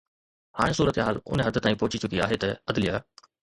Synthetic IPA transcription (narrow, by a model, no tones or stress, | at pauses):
haːɽ̃esuːɾət̪ɦaːlʊ̰nɦɐd̪ʱət̪aːĩpɔɦʊt͡ɕit͡ɕʊkiaːɦet̪ɐɐd̪lijaː